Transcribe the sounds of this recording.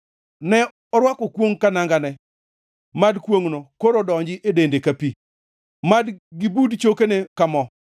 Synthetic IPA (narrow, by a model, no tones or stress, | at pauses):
nɛ | ɔɾwakɔkwoŋkanaŋɡanɛ | madkwoŋnokoɾɔdɔɲd͡ʒɪʔedendekapi | madɡɪbudt͡ʃokenekamɔ